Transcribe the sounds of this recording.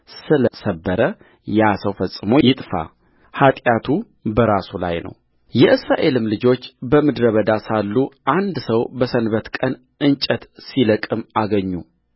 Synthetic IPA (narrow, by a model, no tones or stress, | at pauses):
sɨləsəbːəɾə | jasəwfəsʼːɨmo̞jɪt̪ʼfa̰ | hat̪ʼjat̪ʰu | bəɾasula̰jnə̰w | jɛʔɨsɾaʔe̞lɨmlɨd͡ʒo̞t͡ʃːbəmɨd̪ɾəβəd̪asalːuʔand̪səwbəsənβət̪kʼən | ɨnt͡ʃʼət̪siləkʼɨmaɡəɲːu